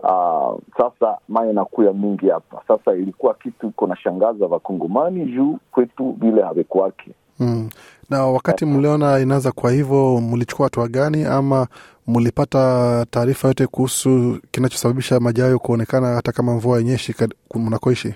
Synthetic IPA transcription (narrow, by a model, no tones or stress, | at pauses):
a̰sasamaɛnakujamiŋɡihapa̰sasailikuwakitukunaʃaŋɡazavakɔŋɡɔmaniʒukwɛtuvilɛhavɛkuakʰɛ̥ | nawakatim̩liɔnainaazakuahivɔmulit͡ʃu̥kuahatuaɠaniama | mulipatataːɾifajɔtɛkuhusukinat͡ʃɔ̥saɓaɓiʃamaʄajɔkuɔnɛkanahatakamaɱvuajɛɲɛʃikamunakɔiʃi